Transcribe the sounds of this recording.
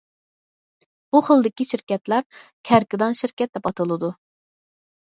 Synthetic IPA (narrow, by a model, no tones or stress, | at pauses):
b̥uχəlˠd̪ɪkʲiʃiɾkʲɛt̪læɾkʲʰæɾkʲɪd̪ɑnʃiɾkʲɛt̪̚ːɛpʰɑt̪ʰɨlˠɨd̪u